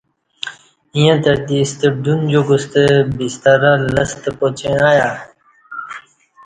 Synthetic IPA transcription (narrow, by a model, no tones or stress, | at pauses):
ijãt̪əɾd̪ist̪ed̪und͡ʑuɡust̪ebist̪ɐɾalɐst̪əpot͡ɕẽaja